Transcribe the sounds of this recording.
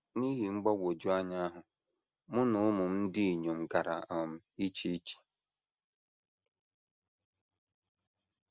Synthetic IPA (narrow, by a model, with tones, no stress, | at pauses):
ni˦ɦi˨ŋ͡m̩˦ɡ͡bɔ˦wʷo˨d͡ʒu˦a˦ɲa˦a˦ɦʊ˨ | mʊ˦nʊ˦ʊ˦mʊ˨m̩˦n̩˦dɪ˦i˨ɲo˨m̩˨ɡa˨ɾa˨a˨m̩˦i˦t͡ʃi˦i˦t͡ʃi̥˨